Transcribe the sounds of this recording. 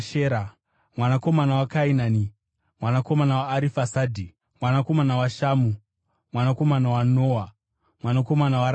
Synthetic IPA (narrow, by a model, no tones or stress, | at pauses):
ʃeːɾa | mwanako̞manawakainaːni | mwanako̞manawaːɾifasaːdʱi | mwanako̞manawaʃaːmu | mwanako̞manawanoːa | mwanako̞manawaɾ